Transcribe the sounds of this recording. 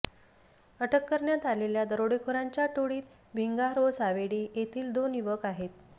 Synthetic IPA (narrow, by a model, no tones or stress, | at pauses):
əʈʰəkːəɾɳjat̪aleljad̪əɾoɽekʰoɾaɲt͡ɕjaʈoɽiːt̪ | bʱiŋɡaɾʋəsaʋeɽiːjet̪ʰiːld̪oniʋəkaɦet̪